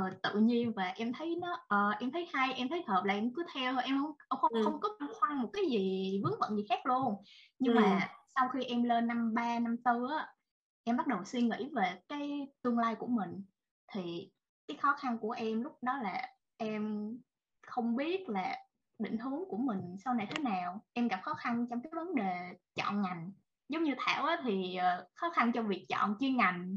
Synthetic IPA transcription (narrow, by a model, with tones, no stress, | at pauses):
ʔəː˨˩t̪ɨ̰˧˨ɲi˧ənvaː˨˩ʔɛ˧mt̪ʰə˨˦jnɔ˨˦ʔəː˨˩ʔɛ˧mt̪ʰə˨˦jha˧jʔɛ˧mt̪ʰə˨˦jhəː˨˩p̚laː˨˩ʔɛ˧mkɨ˨˦t̪ʰɛ˧wʔɛ˧mxə˧wŋ͡mŋ͡mxə˧ŋ͡mxə˧wŋ͡mkɔ˨˦a˧ŋxwa˧ŋmo˨˩t̚kaː˨˦jzi˨˩vɨ˨˦əŋvə̰˧˨nzi˨˩xaː˦˥k̚lu˧ənɲɨ˧ŋmaː˨˩sa˧wxi˧ʔɛ˧mleː˧nːa˧mɓaː˧na˧mt̪ɨ˧ʔaː˨˦ | ʔɛ˧mɓa˦˥t̚ɗə˨˩wswi˧nŋḭ˧˥ve˨˩kaː˨˦jt̪ɨ˧əŋlaː˧jku˧˩əmï˨˩ŋ̟ | t̪ʰi˨˩ | kaː˨˦jxɔ˨˦xa˧nku˧˩əʔɛ˧mlʊ˦˥k͡p̚ɗɔ˨˦laː˨˩ | ʔɛ˧m | xə˧wŋ͡mɓi˦˥ət̚laː˨˩ | ɗḭ̈˧˨ŋ̟ɦɨ˨˦əŋku˧˩əmï˨˩ŋ̟sa˧wna˨˩jt̪ʰe˨˦naː˨˩wʔɛ˧mɣa˨˩p̚xɔ˨˦xa˧nt͡ɕɔ˧wŋ͡mkaː˨˦˨jvə˨˦nɗe˨˩t͡ɕɔ̰˧˨nŋa˨˩jŋ̟ | zə˨˦wŋ͡mɲɨ˧t̪ʰaː˧˩wʔaː˨˦t̪ʰi˨˩ʔəː˨˩xɔ˨˦xa˧nt͡ɕɔ˧vi˨˩ək̚t͡ɕɔ̰˧˨nt͡ɕi˧əŋa˨˩jŋ̟